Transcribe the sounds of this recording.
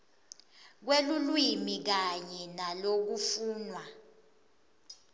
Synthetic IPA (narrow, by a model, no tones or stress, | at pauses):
k̬welulwimik̬aɲɛnalok̬ufuːnwa